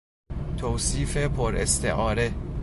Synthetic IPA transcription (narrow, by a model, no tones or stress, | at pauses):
t̪ʰoːsiːfe̞pʰoɾḛst̪ʰḛʔɒːɾe̞